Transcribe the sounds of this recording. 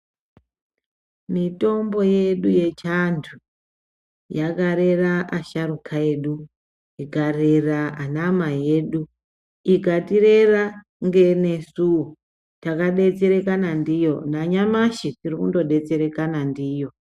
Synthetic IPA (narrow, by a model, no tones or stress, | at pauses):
mito̞mbo̞je̞ɗuje̞t͡ʃantʰu | jaɡʱaɾe̞raʔaʃaɾukʰaeɗu | iɡʱareraanamaje̞ɗu | ikatire̞ra | ŋɡe̞ne̞suo | takaɗe̞t͡se̞ɾe̞kanandijo̞naɲamaʃitirikundo̞ɗe̞t͡se̞ɾe̞kanandiːjo̞